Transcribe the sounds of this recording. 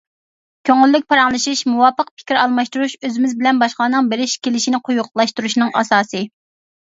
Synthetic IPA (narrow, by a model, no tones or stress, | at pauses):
kʲʰøŋɪlːyk̚ʲpʰɑɾɑŋlˠɨʃiʃmuwɑːpəq̚pʰɪ̥kʲiɾɑlˠmɑʃt̪uɾuʃøzɪmɪzbɪlɛnbɑʃqlˠɑːnɨŋbeɾɪʃkʲʰelɪʃinɪqʰʊjuqlˠɑʃt̪uɾuʃnɨŋʔɑ̰sɑːsɨ